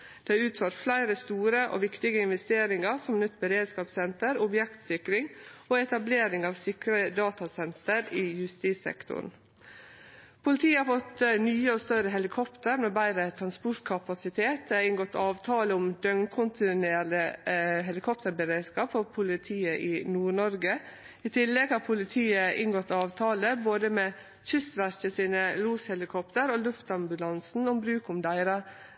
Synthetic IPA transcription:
d̪̥ɛɑʉːt̪føːɾt̪flæɪɾəst̪uːɾəʔo̰ːʋɪkt̪ɪɡəɪnʋɛst̪eːɾɪŋɑɾsɔmnʏt̪ːbəɾeːd̪skɑːpsɛnt̪əɾʊbjɛkt̪sɪkɾɪŋoːɛt̪ɑbleːɾɪŋɑːʋsɪkɾəd̪ɑːt̪ɑsɛnt̪əɾiːjʉst̪iːsɛ̰kt̪ʰʊ̰n̩ | pʰʊlɪt̪ʰiːəhɑɾfɔt̪nyːəoːst̪œɾəɦɛlɪkʰɔpt̪əɾmeːbæɪɾət̪ʰɾɑnspɔɾʈ̪kʰɑpɑsɪt̪ʰeːt̪̚ɪŋɡɔt̪ːʰɑːʋt̪ʰɑːləʊmd̪œŋkʰʊnt̪ʰɪneːɾləɦɛlɪkʰɔpt̪əɾbəɾeːd̪skɑːpfɔpʰʊlɪt̪ʰiːəʔɪnuːɳɔɾɡə | iːt̪ʰɪlːɛɡhɑːɾpʰʊlɪt̪ʰiːəʔɪ̰ŋɡɔt̪ːɑːʋt̪ʰɑːləboːd̪əmɛː | çʏsʋæɾçəsiːnəluːshɛlɪkʰɔpt̪ʰəɾoːlʉft̪ɑmbʉlɑnsn̩ɔmbɾʉːkʊmd̪æɪɾɑ

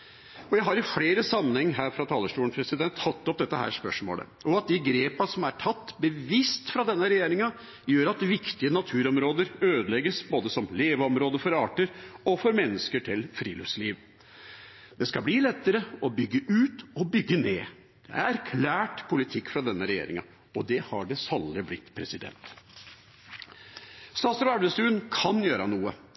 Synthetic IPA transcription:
ɔjæɪɦɑɾɪfɽeːɾəsɑmːənhɛŋːɦæːɾfɾɑt̪ʰɑːləʂʈuːəɳpʰɾɛsɪd̪ɛnt̪ʰːɑt̪ːɔp̚d̪ɛt̪ːəhæ̰ːɾʂpœʂmo̰ːlə̰ʔɔɑt̪̚d̪ɪɡɾeːpɑsɔmæʈʰɑt̪ːbəʋɪst̪fɾɑd̪ɛnːəɾɛjeːɾɪŋɑ | jøːɾɑt̪ʋɪkt̪ɪənɑt̪ʰʉːɾɔmɾoːd̪əɾøːd̪əlɛɡːəsboːd̪əsɔmleːʋɔmɾoːd̪əfɔɾɑːʈəɾɔfɔɾmɛnːəskəʈʰɪlfɾḭːlœ̰fsliːʋ | d̪̥ɛskɑbliːlɛt̪ːəɾəɔbʏɡːəʔʉːt̪ɔbʏɡːəneː | d̪̥ɛ̰æɾkʰlæːʈpʰʊlɪt̪ʰɪkːfɾɑd̪ɛnːəɾɛjḛːɾɪ̰ŋɑ̰ | ɔd̪ɛhɑɖɛsɑlːəblɪt̪ːpʰɾɛsɪd̪ɛ̰nt̪ | st̪ɑːsɾʋæɖəst̪ʉːnkʰɑnjøːɾɑnuːə

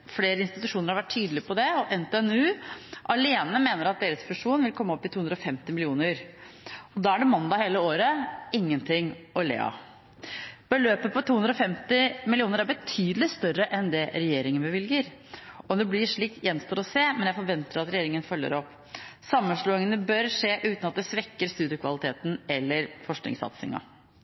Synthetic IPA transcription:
fleːɾəɪnst̪ɪt̪ʉʂuːnəɾhɑɾʋæʈʰːyːd̪lɪpʰɔd̪ɛɔʔɛnt̪ɛɛnʉːʔɑleːnəmeːnəɾɑt̪̚d̪eːɾəsfʉʂuːnʋɪlkʰɔmːɔpːɪt̪uːɵnd̪ɾɔfɛmt̪ɪmɪlɪuːnəɾ | ɔd̪ɑːæɖɛmɑnd̪ɑheːləoːɾəɪŋːənt̪ʰɪŋɔlḛːɑ̰ | b̥əløːpəpʰɔt̪ʰuːʉnd̪ɾɔfɛmt̪ɪmɪlɪuːnəɾæɾbət̪ʰyːd̪əlɪst̪œrːəʔɛnd̪ɛɾɛjeːɾɪŋənbəʋɪlɡəɾ | ɔd̪ɛblɪʂɭiːk̚t̪jɛnst̪ɔt̪ɔseːmɛnjæɪfɔɾʋɛnt̪əɾɑt̪ɾɛjeːɾɪŋənfœlːə̰ɾɔpː | sɑmːənʂɭuːɪŋənəbœɾʂeːʔʉːt̪nɑt̪̚d̪ɛsʋɛkːəɾst̪ʉːd̪jəkʰʋɑlɪt̪ʰeːt̪n̩ɛlːəɾfɔʂknɪ̰ŋsɑ̰t̪sɪ̰ŋɑ̰

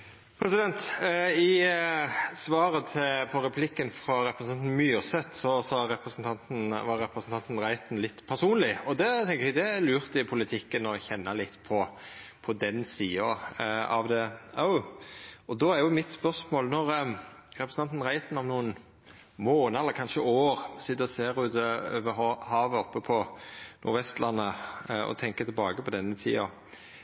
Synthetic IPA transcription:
pʰɾɛsɪd̪ɛnt̪ɪ | sʋɑːɾət̪ʰɪpʰɔɾɛpʰlɪkːənfɾɑɾɛpɾəsn̩ɑnn̩myːsɛt̪sɔsɑɾɛpɾəsənt̪ʰɑnt̪n̩ʋɑɾːɛpɾəsn̩t̪ɑnt̪n̩ɾæɪt̪n̩lɪt̪ːpʰæɾsuːnlɪɔd̪ɛt̪ʰɛŋkəɾɛd̪ɛlʉːɾt̪ɪpʰʊlɪt̪ʰɪkːənɔçɛnːɑlɪt̪ːpʰɔpʰɔd̪ɛnsiːɑɑ̰ʋd̪ɛoʊ | ɔd̪ɔæɾjʊmɪt̪spœʁsmoːlnɔɾɾɛpɾəsn̩ʰɑnt̪nʁæɪt̪nɔmnuːən | moːnəɛlːəɾkʰɑnʃəʔoːɾsɪt̪ːəɔseːɾʉːt̪øːʋəhɑːʋəɔpːəpʰɔnʔʊ̰ɾʋɛst̪lʔɑnːəɔ̰t̪ʰɛŋkət̪ʰɪlbɑːɡəpʰɔd̪ɛnːət̪ʰḭːɑ

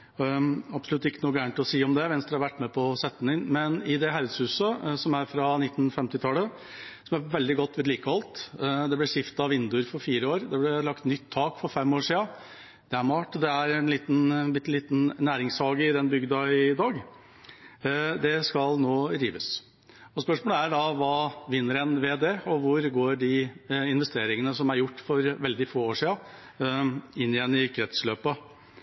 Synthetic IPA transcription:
ɑbsɔlʉt̪ːɪkːənuːɡæːɳʈ̪ɔsiːɔmd̪ɛʋɛnsd̪ɛhɑɾʋæʈːmɛpʰɔsɛt̪ːənɪnmɛnɪd̪ɛɦɑʉd̪shʉːsəsɔmæɾfɾɑnɪt̪ːn̩fɛmt̪ɪt̪ʰɑːlə | sɔmæɾʋɛld̪ɪɡɔt̪ːʋɛːd̪liːkəɑlt̪d̪ɛblɪʂɪft̪ɑʋɪnd̪ʉɾfɔɾfiːɾəoːɾd̪ɛblɛlɑkt̪nʏt̪ʰːɑːkfɔɾfɛmːoːʂiːɑ | d̪̥ɛæɾmɑːʈd̪ɛæɾɛnliːt̪n̩bɪt̪ːliːt̪n̩næːɾɪŋshɑːɡəɪd̪ɛnbʏɡd̪ɑɪd̪ɑːɡ | d̪ɛskɑlnoːd̪ɾiːʋəs | ɔspœʂmoːləæɖɑʋɑːʋɪnːəɾɛnʋeːd̪eːɔʋʊɾɡoːɖɪɪnʋɛst̪eːɾɪŋənəsɔmæɾjʊʈːfɔɾʋɛld̪ɪfoːoːʂiːɑ | ɪnːɪjɛnːɪkʰɾɛt̪sløːpə

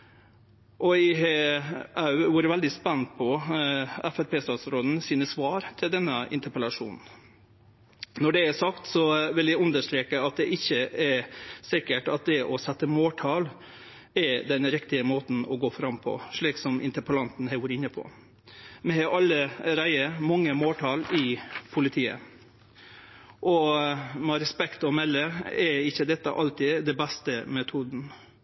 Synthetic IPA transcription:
ʔɔɪɦeɑʉʋʊɾʋæld̪ɪspɛnpʰɔ | ɛfæɾpʰeːst̪ɑːt̪sɾoːd̪n̩siːnəsʋɑːɾt̪ʰɪld̪ɛnːəʔɪ̰nt̪əpəlɑʂṵːnn̩ | nɔɖɛæsɑkt̪sɔʋɪljæɪʉnd̪əʂt̪ɾeːkəɑt̪̚d̪ɛʔɪçːəɛɾsɪkəʈɑt̪̚d̪ɛʔɔsɛt̪ːəmoːʈʰɑːl | ɛɾd̪ɛnɾɪkt̪ɪəmoːt̪n̩ɔ̰ɡoːfɾɑmpʰɔ̰ʂɭiːksɔmɪ̰nt̪əɾpəlɑnt̪n̩hɛɪʋuːɾɪnːəpʰɔ̰ | mɛhɑʔɑlːəɾæɪəɾmɑŋːəmoːlʈ̪ʰɑːlɪpʰʊlɪt̪ʰiːə̰ | ʔɔmɛɾɛspɛkt̪ɔmɛlːəɛɾɪçːəd̪ɛt̪ːə̰ʔɑlt̪ɪd̪ɛbæst̪əmɛt̪ʰuːd̪n̩

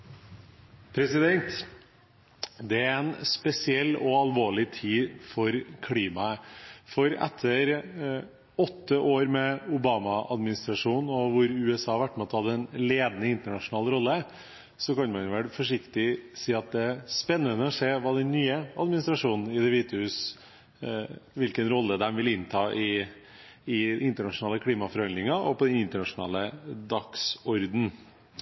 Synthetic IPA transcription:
pʰɾɛsɪd̪ɛnt̪ | d̪ɛæɾɾɾɛnspɛsɪɛlːɔɑlʋoːɭɪt̪ʰiːfɔɾkʰliːmɑəfɔɾɛ̰t̪ʰːəɾ | ɔt̪ːəʔoːɾmɛʊbɑːmɑʔɑd̪mɪnɪst̪ɾɑʂuːnɔʋʊɾʉɛsɑːɑɾʋæʈːmɛɔt̪ːʰhɑd̪əɛnleːd̪nəɪnt̪əɳɑʂʊnɑːlɾɔlːə | sɔkɑnmɑnʋɛlfɔʂɪkt̪ɪsiːɑt̪̚d̪ɛspɛnːənəɔseːʋɑːd̪ɛnːyːəɑd̪mɪnɪst̪ɾɑʂuːnn̩ɪd̪ɛʋiːt̪əhʉːs | ʋɪlkənɾɔlːəd̪ɛnʋɪlɪnt̪ʰɑːʔɪ | ɪɪnt̪əɳɑʂʊnɑːləkʰliːmɑfɔɾhɑnd̪ɾɪŋɑʔɔ̰pɔd̪ɛnɪnt̪əɳɑʂʊnɑ̰ːləd̪ɑksɔɾd̪n̩

